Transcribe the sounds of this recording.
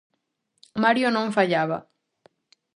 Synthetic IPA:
maɾjonõɱfaʎaβa̰

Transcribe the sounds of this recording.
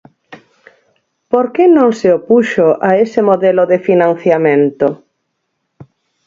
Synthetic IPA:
poɾkenõŋseopuʃoʔaesɪmoðɛlʊðefinãn̟θjamẽnt̪ʊ

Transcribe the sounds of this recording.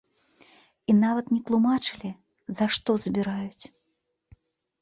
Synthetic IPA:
inavɐt̪nʲɛt̪lˠumat͡ʂɨlʲi | zaʂt̪ɔzbʲiɾajut͡sʲ

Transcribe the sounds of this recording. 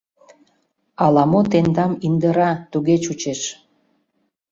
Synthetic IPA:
ɑlɑmot̪end̪ɑmind̪əɾɑt̪uɣet͡ɕut͡ɕeʃ

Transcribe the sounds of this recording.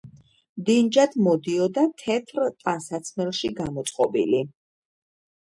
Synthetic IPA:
md̪ind͡ʒad̪mɔd̪iɔd̪at̪ʰɛt̪ʰɾt̪ʼansat̪sʰmɛlˠʃiɡamɔt̪sʼqʼɔbḭli

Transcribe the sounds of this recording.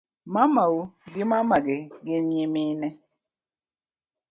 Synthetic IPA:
mamawuɡɪmamaɡɪɡɪnimɪnɛ

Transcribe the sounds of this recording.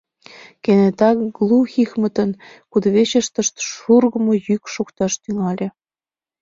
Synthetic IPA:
kenet̪ɑkɡlˠuxixmə̆t̪ənkud̪βet͡ɕəʃt̪ə̆ʃt̪ʃurɣə̆mojykʃokt̪ɑʃt̪yŋɑlʲĕ

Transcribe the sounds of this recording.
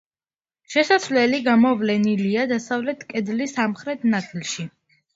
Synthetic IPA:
ʃɛsasvlɛliɡamɔvlɛniliad̪asavlɛt̪ʰkʼɛd̪lisamχɾɛt̪ʰnat̪ʰilˠʃi

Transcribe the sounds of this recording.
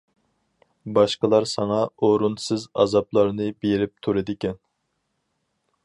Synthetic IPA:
bɑʃqəlˠɑɾsɑŋɑoɾunsɨzɑ̰zɑplˠɑɾnɨbeɾɪp̚t̪ʰuɾɨd̪ɪkʲɛn

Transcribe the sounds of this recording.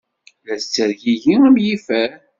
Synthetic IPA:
læst͡sːəɾʝiʝiæmjifæɾ

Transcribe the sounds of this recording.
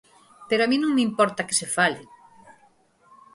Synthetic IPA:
peɾoaminõŋmeimpɔɾt̪ake̥sefalɪ

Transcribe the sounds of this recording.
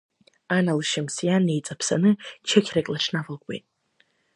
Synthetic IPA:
analʃɪmsjane̞jt͡sʼapʰsanɨt͡ʃʰakʲʰrakʲʼlaʈ͡ʂʰnavɨlkʷʼwḛtʼ

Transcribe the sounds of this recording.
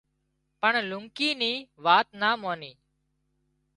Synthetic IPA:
pəɳlʊŋkiːniːʋaːt̪naːmoːniː

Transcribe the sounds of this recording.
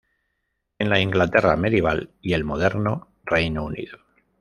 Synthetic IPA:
e̞nlaiŋɡlat̪e̞rame̞ðjeβ̞alie̞lmo̞ðe̞ɾno | rejnounḭðo

